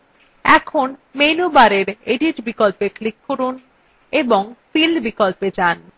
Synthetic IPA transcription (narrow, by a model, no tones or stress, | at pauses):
ɛkʰonmejnobaɾeɾeɖiʈbikolpeklikːoɾun | eboŋfilbikolped͡ʑan